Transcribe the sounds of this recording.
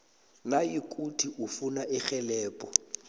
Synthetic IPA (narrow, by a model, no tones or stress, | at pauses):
najikʼutʰiʔufunaʔɪχɛlɛːpʼɔ